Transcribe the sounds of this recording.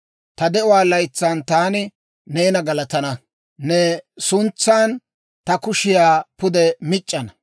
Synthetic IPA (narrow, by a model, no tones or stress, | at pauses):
t̪ɐd̪ɛʔʊwaːlɐjt͡sːaːnt̪aːnɪ | neːnɐɡɐlɐt̪ɐnɐ | nɛsʊnt͡sːaːn | t̪ɐkʊʃɪjaːpʊd̪ɛmɪt͡ʃʼːɐnɐ